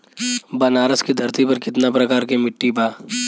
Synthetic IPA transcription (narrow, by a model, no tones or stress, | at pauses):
bɐnaːɾəskid̪ʱɐɾt̪ipɐɾkɪt̪napɾɐkaːɾkimɪʈːibaː